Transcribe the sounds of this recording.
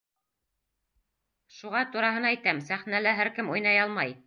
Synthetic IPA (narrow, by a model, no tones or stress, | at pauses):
ʃuʁɑt̪uɾɑɦɤ̆nɑæjt̪æmsæχnælæɦæɾkɘmujnɑjɑlˠmɑj